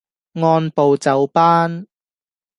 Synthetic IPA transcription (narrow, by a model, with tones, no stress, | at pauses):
ŋɔː˧npo˨wt͡sɐ˨˧wpaː˥n